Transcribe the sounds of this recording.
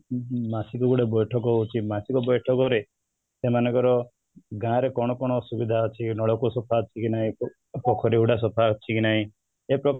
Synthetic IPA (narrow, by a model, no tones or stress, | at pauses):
masikɔɡuɽebɔjʈʰɔk̬ɔut͡ʃʰimasikɔbɔjʈʰɔkɔɾe | semanɔ̃ŋkɔɾɔ | ɡãɾekɔɽ̃ɔkɔɽ̃ɔsubid̪ʱat͡ʃʰinɔɭɔkusɔpʰat͡ʃʰikinaɦĩ | pɔkʰɔɾiuɽas̬ɔpʰat͡ʃʰikinaɦĩ | epɾɔ